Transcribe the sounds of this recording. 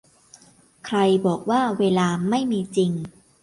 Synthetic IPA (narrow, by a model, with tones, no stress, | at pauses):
kʰɾa˧jbɔː˨˩k̚waː˥˩weː˧laː˧ma˥˩jmiː˧t͡ɕi˧ŋ